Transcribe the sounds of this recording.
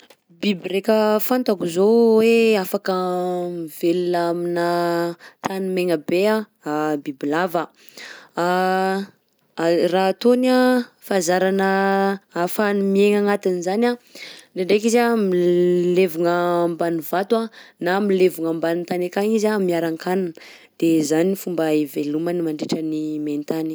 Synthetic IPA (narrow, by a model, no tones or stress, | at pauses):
bibiɾekʲəfant̪akuzoweafakəmiveluaminət̪animeŋəbea | abibilavə | a | rat̪onafazaɾanəafanmieŋaŋat̪inizanaɖ͡ʐeɳɖ͡ʐekizamilevuŋəmbanivat̪wanamilevuŋambanint̪anakaŋizamiaɾaŋkʰananə | d̪̥ezanifumbaevelumənimaɳɖ͡ʐeʈ͡ʂənimenit̪ani